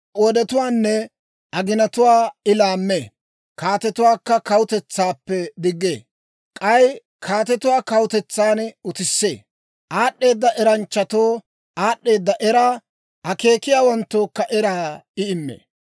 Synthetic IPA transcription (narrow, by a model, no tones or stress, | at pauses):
ʔɔd̪ɛt̪ʊwaːnːɛ | ʔɐɡɪnɐt̪ʊwaːɪlaːmːe | kaːt̪ɛt̪ʊwaːkːɐkɐwʊt̪ɛt͡sːaːpːɛd̪ɪɡːḛː | kʼɐj | kʰaːt̪ɛt̪ʊwaːkɐwʊt̪ɛt͡sːaːnʊt̪ɪsːḛː | ʔaːɗːe̞ːd̪ːɐʔɛɾɐnt͡ʃːɐt̪oː | ʔaːɗʔːe̞ːd̪ːɐʔɛɾaː | ɐke̞ːkɪjaːwɐnt̪ːoːkːɐʔɛɾaːɪɪmːḛː